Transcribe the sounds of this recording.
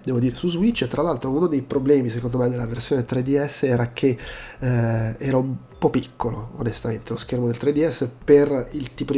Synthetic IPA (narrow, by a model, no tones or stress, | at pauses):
d̪ɛːvod̪iːɾesuzwit͡ʃːt̪ɾalalt̪ɾounod̪ejpɾoblɛːmisekond̪omajd̪elːaversjoːnet̪ɾed̪iɛsːɛːɾakʰe | ɛːɾaum | pɔpikʰːoloonest̪ament̪elosk̟ermod̪elt̪ɾed̪iɛsːeperilt̪iːpod̪